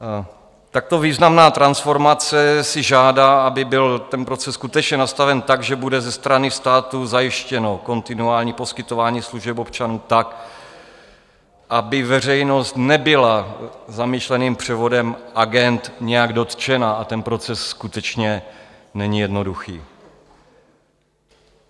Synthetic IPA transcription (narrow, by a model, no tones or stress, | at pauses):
t̪ak̚t̪o̞viːznamnaːt̪ɾansfo̞ɾmat͡sɛsɪʒaːdaːʔabɪbɪlt̪ɛnpɾo̞t͡sɛsːkut̪ɛt͡ʃɲɛnast̪avɛnt̪aɡʒɛbudɛzɛst̪ɾanɪst̪aːt̪uzajɪʃcɛno̞ko̞nt̪ɪnuaːlɲiːpo̞skɪt̪o̞vaːɲiːsluʒɛpopt͡ʃanuːt̪ak | ʔabɪvɛr̝ɛjno̞st̪nɛbɪlazamiʃlɛniːmpr̝̥ɛvo̞dɛmʔaɡɛnt̪ɲɛjaɡdo̞t̪t͡ʃɛnaat̪ɛnpɾo̞t͡sɛsːkut̪ɛt͡ʃɲɛ | nɛɲijɛdno̞duxḭː